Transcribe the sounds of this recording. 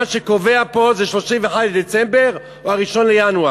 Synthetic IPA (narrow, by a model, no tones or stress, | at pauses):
aʃeko̞ve̞apo̞zeʃlo̞ʃimveħad̪led̪et͡sembe̞ʁ | ohaʁiʃo̞nlejanua